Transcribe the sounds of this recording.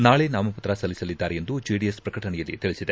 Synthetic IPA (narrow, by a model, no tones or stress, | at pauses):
naːɭenaːmɐpɐt̪ɾɐsɐlːisɐlid̪ːaːɾeend̪ud͡ʒiɖiespɾɐkɐʈɐɳɛjɐlːḭt̪iɭisid̪e